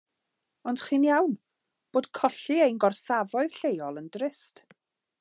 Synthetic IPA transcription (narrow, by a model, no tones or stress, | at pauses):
ɔnd̥χiːnjawn | b̥oːd̥kʰɔɬiejnɡɔrsavɔɨð̥ɬejɔlˠəndrɪst